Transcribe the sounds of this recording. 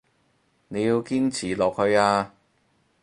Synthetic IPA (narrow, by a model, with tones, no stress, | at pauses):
ne˨˧jiː˧wkiː˥nt͡sʰiː˨˩lɔː˨k̚hɵ˨˧ɥaː˧